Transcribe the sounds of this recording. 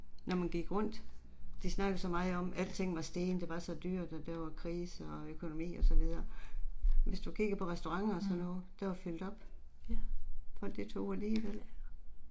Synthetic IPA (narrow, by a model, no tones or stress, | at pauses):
nɒmænɡ̥iɡ̥ʁɔ̽n̰d̥ | d̥isnɑ̈ɡ̥əð̩ˠsɒ̽mɑ̈ːð̩ˠɒ̽mæl̰̥t͡sʰe̝ŋ̰̩ʋɑ̈sd̥e̝ːnəd̥e̝ʋɑ̈sɒ̽d̥yɐ̰d̥ɒd̥æɐʋɑ̈kʰʁiːsəɒøkʰo̝no̝mḭːɒ̽sɒ̽ʋið̞ˠɐ | ʋe̝sd̥ukʰiɡ̥ɐpʰɒ̽ʁɛsd̥o̝ʁɑ̈ŋ̰ɐɒsɒ̽nːɔ̽ːð̩ˠd̥æʋɑfyl̰d̥ɒ̽b̥ | fɒ̽l̰d̥it͡sʰo̝̰ːæliːʋel̰